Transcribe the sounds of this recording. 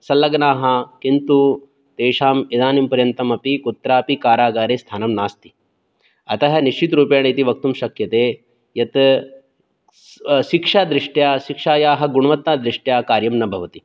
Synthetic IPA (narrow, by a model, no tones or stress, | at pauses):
sɐlɐɡnaːɦɐkint̪u | t̪eːʃaːmid̪aːnimpɐɾjɐnt̪ɐmɐpikut̪ːɾaːpikaːɾaːɡaːɾeːst̪ʰaːnɐmnaːst̪i̥ | ɐt̪ɐɦɐniʃt͡ʃit̪ɾuːpjaːɳɐt̪iʋɐk̚t̪umʃɐkjɐt̪eː | jɐt̪ | ʃikʂaːd̪ɾiʂʈjaːʃikʂaːjaːɦɐɡuɳuʋɐt̪ːaːd̪ɾiʂʈjaːkaːɾjɐmnɐbʱɐʋɐt̪i